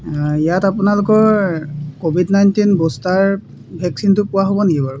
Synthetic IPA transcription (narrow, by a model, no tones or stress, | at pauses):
ijatapʊnalʊkɔɹkobʱidnajntinbostaɹ | bʱɛk̚sintʊpʊwaɦobɔneɡibaɹ